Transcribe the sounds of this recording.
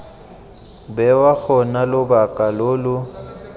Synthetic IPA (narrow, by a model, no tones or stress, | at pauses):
bɛwak͡xʰɔnalʊbakʼalʊːlʊ